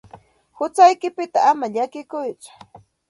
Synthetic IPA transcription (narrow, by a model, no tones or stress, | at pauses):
hʊt͡sajkɪpɪt̪aːmaʎakɪkʊjt͡sʊ̥